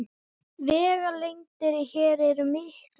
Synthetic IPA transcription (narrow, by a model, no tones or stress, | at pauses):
vɛːɣalejŋt̪ɪɾiçɛːɾɛɾʏmɪhk